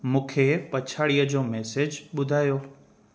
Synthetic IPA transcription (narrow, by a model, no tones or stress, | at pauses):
mũːkʰepɐt͡ɕʰaːɽijəd͡ʑoːmɛːsed͡ʑɓʊd̪ʱaːjoː